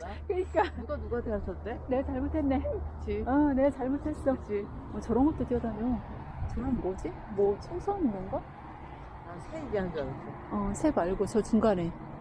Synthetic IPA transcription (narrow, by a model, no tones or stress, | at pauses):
kɯɲik͈anuɡanuɡadeʌs͈ʰʌt͈ene̞t͡ɕaɭmotʰenːe̞kʰɯt͡ɕʰiʌne̞t͡ɕaɭmotʰes͈ʌkt͡ɕʰimʌt͡ɕʌɾʌnɡʌt͈oteʌd͡ʑanejo | t͡ɕʌɾʌnɡʌd͡ʑi | mwʌt͡ɕʰʌŋsʰʌnɯʌnɡʌ | asʰeiɡeɦanɡanas͈ʰo | ʌsʰe̞baɭɡot͡ɕʌt͡ɕuŋɡane̞